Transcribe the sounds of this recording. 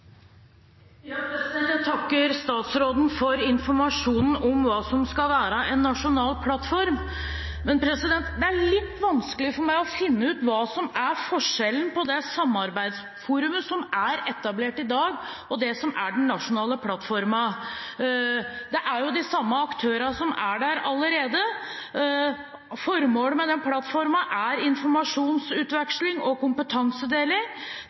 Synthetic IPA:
ɛt̪ʰɑkːəɾst̪ɑːt̪sɾoːd̪n̩fɔɾɪnfɔɾmɑʂuːnn̩ɔmʋɑːsɔmskɑlʋæːɾəʔɛnːɑʂʊnɑːlpʰlɑt̪ːfɔɾm | mɛnpʰɾɛsɪd̪ɛnt̪d̪ɛæɭɪt̪ːʋɑnskəlɪfɔɾmæɪɔfɪnːəʉːt̪ʋɑːsɔmæɾfɔʂɛlən̩pʰɔd̪ɛsɑmːɑɾbæɪd̪s | fuːɾʉməsɔmæɾɛt̪ːɑbleːʈɪd̪ɑːɡ | ɔd̪ɛsɔmæɖɛn̩nːɑʂʊnɑːləpʰlɑt̪ːfɔɾmɑ | d̪ɛʔæɾjʊd̪ɪsɑmːəɑkt̪ʰøːɾɑsɔmæɖæɾɑlːəɾeːd̪ə | fɔɾmoːlmɛd̪ɛnpʰlɑt̪fɔɾmɑʔæɾɪnfɔɾmɑʂuːnsʉːt̪ʋɛkʂlɪŋɔkʊmpət̪ʰɑŋsəd̪eːlɪŋ

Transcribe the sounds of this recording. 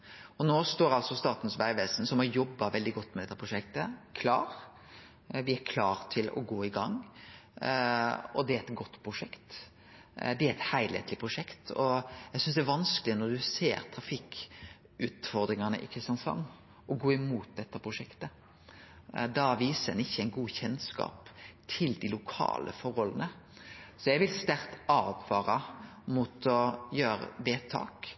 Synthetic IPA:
ɔnoːst̪oːɾɑlsɔst̪ɑːt̪nsʋæɪʋeːsnsɔmhɑɾjɔbːɑʋɛld̪ɪɡɔt̪ːmɛd̪ɛt̪ːəpʰɾʊʃɛkt̪əkʰlɑːɾ | ʋɪæɾkʰlɑːɾt̪ʰɪlɔ̰ɡoːɪɡɑŋː | ɔd̪ɛæɾɛt̪ɡɔt̪ːpʰɾʊʂɛkt̪ | d̪ɛæɾɛt̪hæɪlhḛːt̪lɪpʰɾʊʂɛkt̪ɔjæɡsʏnsd̪ɛæʋɑnskəlɪnɔɾd̪ʉsḛːɾt̪ʰɾɑfɪk | ʉːt̪fɔɾd̪ɾɪŋɑnəʔɪ̰kʰɾɪst̪jɑnsɑ̰nː | ɔɡoːɪmuːt̪̚d̪ɛt̪ːəpʰɾʊʂɛkt̪ə | d̪ɑʋiːsəɛnɪçːəæɪnɡuːçɛnskɑ̰ːpt̪ʰɪld̪ɪlʊkʰɑ̰ːlʔə̰fɔɾɔlːənə | sɔjæɡʋɪlst̪æɾt̪ɑːʋkʰʋɑːɾɑmʊt̪ʰɔjøːɾə̰d̪ɛt̪ʰːɑ̰ːk

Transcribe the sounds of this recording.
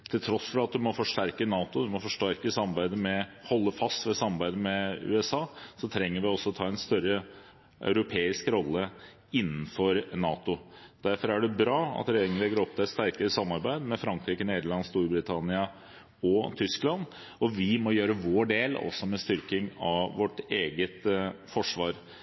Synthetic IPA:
t̪ʰɪlt̪ʰɾɔsfɔɾɑt̪̚d̪ʉmɔfɔʂʈæɾkənɑːt̪ʊd̪ʉmɔfɔʂʈæɾkəsɑmɑɾbæɪd̪əmɛhɔlːəfɑst̪ʋɛsɑmːɑɾbæɪd̪əmɛʉ̰ɛsɑːsɔt̪ʰɾɛŋːəɾʋɪɔsːɔt̪ʰɑːɛnst̪œɾːə | ʔœ̰ʉɾʊpʰeːɪskɾɔlːə | ɪnːn̩fɔɾnɑːt̪ʊd̪̥æɾfɔɾæɖɛbɾɑːɑ̰t̪ɾɛjeːɾɪŋənlɛɡəɾɔp̚ːt̪ʰɪɛt̪st̪æɾkəɾəsɑmːɑɾbæɪd̪mɛfɾɑŋkɾiːkəneːd̪əɭɑnst̪uːɾbɾɪt̪ʰɑnɪɑ | ɔt̪ʰʏsklɑn | ɔʋɪmɔjøːɾəʋoːɖeːlɔ̰sːɔmɛst̪ʏɾkɪŋɑʋɔʈeːɡət̪fɔʂʋɑːɾ

